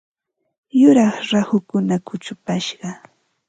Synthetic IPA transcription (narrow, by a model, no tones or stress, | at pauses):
jʊɾɑχɾahʊkʊnakʊt͡ʃʊpaʃɢɑ